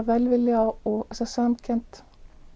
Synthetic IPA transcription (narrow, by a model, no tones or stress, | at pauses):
ʋɛlʋɪlɪɑoʔsɔsɑmkʰɛnt̪